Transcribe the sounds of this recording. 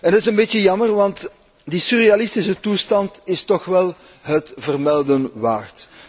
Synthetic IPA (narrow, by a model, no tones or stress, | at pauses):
ɛndɑtɪsənbeːtjəjɑmərʋɑnt | disyrealɪstɪsətustɑntɪstɔxʋɛlˠ | ɦətvərmɛlˠdənʋaːrt